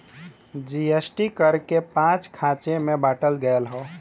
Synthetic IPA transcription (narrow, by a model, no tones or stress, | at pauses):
d͡ʒiesʈikəɾkepãt͡ʃkʰãt͡ʃemebaʈəlɡəelɦɔ